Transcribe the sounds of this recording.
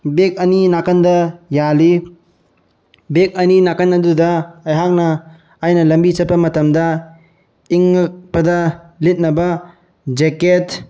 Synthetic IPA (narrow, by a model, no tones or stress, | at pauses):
bek̚ɐninakɐndɐjali | bek̚ɐninakɐnːɐdudɐɐjɦak̚nɐː | jnɐlɐmbisɐpːɐmɐtɐmdɐ | iŋːɯk̚pɐdɐlit̚nɐbɐ | d͡ʒeket